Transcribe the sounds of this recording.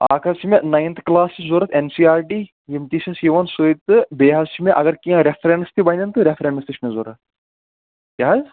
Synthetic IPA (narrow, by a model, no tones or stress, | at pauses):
a̰ːkʰɐt͡ʃimenajnt̪ʰklaːsizoːɾɐt̪ʰensiːaːɾɖiː | jimt̪isɐsjiʋɐnsoit̪ɨbeːɦɐzt͡ʃimeʔɐɡɐɾkiãɾefʰɾeɳɖɨst̪ibɐnʲd̪ʲɐnt̪ɨɾefɾeɳɖɐst̪it͡ʃmezoːɾɐt̪̚ʰ | kʲaɦɐz